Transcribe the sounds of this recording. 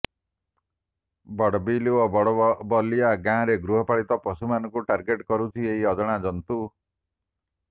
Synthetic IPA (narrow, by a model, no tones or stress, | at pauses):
bɔɽbiluɔɽbɔlijaɡãɾeɡɾuɦɔpaɭit̪ɔpɔsumanɔkuʈaɾɡeʈkɔɾut͡ʃʰieɦiɔd͡ʒɔɽ̃ad͡ʒɔnt̪u